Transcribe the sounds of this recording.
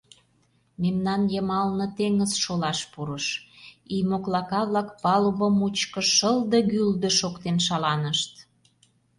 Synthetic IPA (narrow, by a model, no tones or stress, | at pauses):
memnɑnjəmɑlnə̆t̪eŋəzʃolɑʃpuɾəʃijmoklɑkɑβlɑkpɑluβəmut͡ɕkə̆ʃəld̪ɤ̆ɣyld̪ə̆ʃokt̪enʃɑlɑnəʃt̪